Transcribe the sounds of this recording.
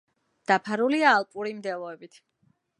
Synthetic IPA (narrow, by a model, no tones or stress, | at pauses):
d̪̥apʰaɾuliaːlˠpʼuɾimd̪ɛlˠɔɛbit̪ʰ